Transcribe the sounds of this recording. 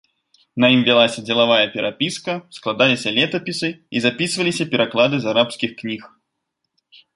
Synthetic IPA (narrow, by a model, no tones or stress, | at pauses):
nɐimvʲilˠasʲɐd͡zʲɛlˠavajɐpʲɛɾapʲiskɐsklˠad̪alʲisʲɐlʲɛt̪ɐpʲisɨizapʲisɨvɐlʲisʲɐpʲɛɾʔaklˠad̪ɨzaɾapskʲixknʲix